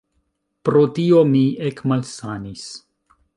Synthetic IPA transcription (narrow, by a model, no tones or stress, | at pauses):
pɾot̪iomiekmalsanis